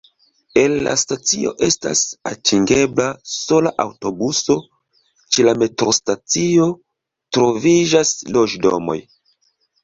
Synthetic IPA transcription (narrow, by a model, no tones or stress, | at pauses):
e̞nːa̰stat͡sio̞̰ʔe̞sta̰satʰiŋɡe̞blaso̞laʔawto̞buso̞ | t͡ʃe̞lame̞tɾo̞stat͡sio̞ | tɾo̞vid͡ʒaslo̞d͡ʒdo̞̰mo̞̰j